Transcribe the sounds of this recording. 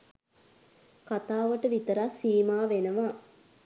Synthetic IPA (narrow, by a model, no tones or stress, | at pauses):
kat̪aːʋəʈəʋit̪əɾasiːmaːʋenəʋa